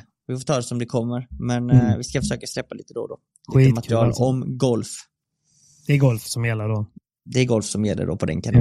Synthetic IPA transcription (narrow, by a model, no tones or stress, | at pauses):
vɪfoːt̪ʰɑːd̪asɔmd̪ɛkʰɔmːəɾmɛnvɪskafœʂøːkast̪ɾɛpːalḭːt̪əd̪ɔ̰d̪ɔ̰ | liːit̪ːmat̪ɾɪɑːlɔmɡɔlf | d̪̥ɛæɾɡɔlfsɔmjɛlːaɖɔ | d̪ɛæɡɔlfsɔmjɛlːə̰ɖɔ̰pʰɔd̪ɛ̰ŋkʰan